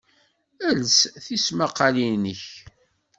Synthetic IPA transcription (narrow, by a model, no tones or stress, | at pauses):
ælsθismaqːɑlinəç